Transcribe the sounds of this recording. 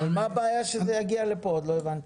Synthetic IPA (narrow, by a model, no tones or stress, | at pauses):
valmaːbaːjaʃezejaɡialepood̪lo̞evant̪